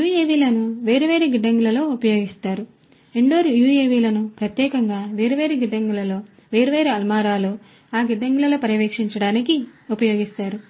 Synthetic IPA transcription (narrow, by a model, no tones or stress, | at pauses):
juːeːʋiːlɐnuʋe̞ːɾiʋe̞ːɾeɡiɖɐŋɡulɐlo̞ːupɐjo̞ːɡist̪aːɾu | ɾeɳɖoːɾujuːjeːʋiːlɐnupɾɐt̪jɛːkɐŋɡaːʋe̞ːɾiʋe̞ːɾeɡiɖɐŋɡulɐlo̞ː | ʋe̞ːɾuʋe̞ːɾeɐlmaːɾaːloː | aːɡiɖɐŋɡulɐloːpɐɾɐʋeːkʂiɲt͡ʃɐɽaːnikiupɐjo̞ːɡist̪aːɾu